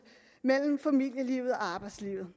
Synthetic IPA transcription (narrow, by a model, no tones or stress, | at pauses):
mel̰m̩fæmil̰jəliːʊð̩ˠɒ̽ɑ̈ːb̥ɑ̈ɪd̥slḭʊð̩ˠ